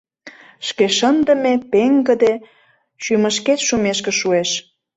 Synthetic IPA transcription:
ʃkeʃənd̪ə̆mepeŋɡə̆d̪e | ʃymə̆ʃket̪ʃumeʃkĕʃueʃ

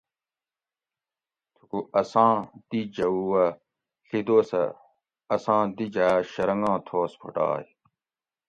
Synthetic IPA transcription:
t̪ʰukuʔɐsãːd̪̥id͡ʑɐuwɐ | ɬid̪oːsɐ̰ | ɐsãːd̪id͡ʑaːɕɐɾɐŋɡãːt̪ʰoːspʰo̰ʈa̰ː

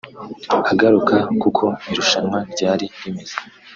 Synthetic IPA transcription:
aɡaɾukakukʰo̞iɾuʃanwaɾɟaːɾidimez̥e

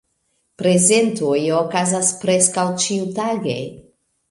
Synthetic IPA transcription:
pɾe̞ze̞ntojokazaspɾe̞skawt͡ʃiutaɡḛ

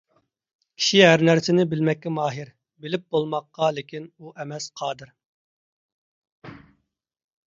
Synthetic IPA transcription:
kʲʰi̥ʃiɦæɾnæɾsɪnɪbɪlmɛkʲːɛmɑːɦɪɾ | bɪlɪp̚bolˠmɑqːɑlɪkʲinuʔɛmɛsqʰɑːd̪ɨɾ

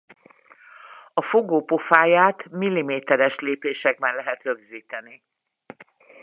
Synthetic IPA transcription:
ɒfo̞ɡoːpo̞faːjaːt̪milːimeːt̪ɛɾɛʃleːpeːʃɛɡ̚bɛnlɛɦɛt̪røɡziːt̪ɛni

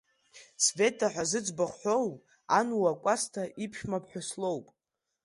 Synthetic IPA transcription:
sve̞tʰʼaħʷᶣazɨd͡zbaχʷħʷᶣo̞wpʼ | anuwakʷʼastʰaʔipʰʃᶣmapʰħʷᶣaslowpʼ

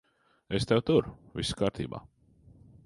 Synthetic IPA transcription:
est̪ɛwt̪uɾʊviskaːɾt̪iːba̰ː

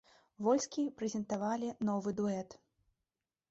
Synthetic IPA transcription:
vɔlʲskʲipɾɛzʲɛnt̪avalʲinɔvɨd̪uɛt̪

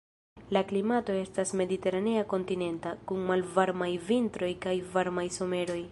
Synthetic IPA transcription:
laklimato̞e̞stasme̞dite̞ɾaneako̞ntine̞ntakuŋmalvaɾmajvintɾo̞jkajvaɾmajso̞me̞ɾo̞j

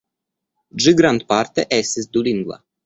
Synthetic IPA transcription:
d͡ʒɨɡɾant̪̚paɾt̪ɛʔɛsɪzd̪uliŋɡva̰

